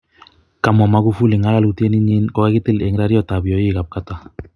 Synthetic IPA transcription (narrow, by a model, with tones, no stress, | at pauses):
ka˨mɔ˨ma˨˦ku˦fu˦li˨ŋa˦la˦lu˦ti˦e˦ni˦ɲi˦nkɔ˨ka˦ki˦ti˦le˨ŋ˦ɾa˦ɾi˦ɔ˦˨ta˨bi˨ɔ˨i˦˨ka˨p̚ka˦ta˨